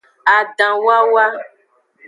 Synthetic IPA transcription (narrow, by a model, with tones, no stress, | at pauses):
a˨ɖã˨wa˦wa˦